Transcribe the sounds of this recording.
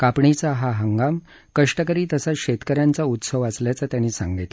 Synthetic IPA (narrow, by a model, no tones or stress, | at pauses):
kapɳit͡saɦaɦəŋɡam | kəʂʈəkəɾiːt̪əsaɕet̪kəɾjãnt͡saut̪səʋəsljat͡sat̪janːiːsã̰ŋɡit̪